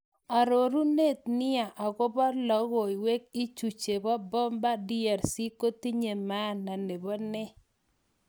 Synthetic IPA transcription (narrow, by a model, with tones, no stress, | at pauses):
a˨ɾo˨ɾu˦ne˦˨t̪̚nɪ˦a˨ʔa˨ɡɔ˦bɔ˦lɔ˨˦ɣo˨i˨we˦k̚i˦t͡ʃu˨t͡ʃe˨bɔ˦bɔ˦mba˦dɪ˦a˨ɾsi˦ko˦ti˦ɲe˨ma˦˨na˨ne˨bɔ˦nɛ˦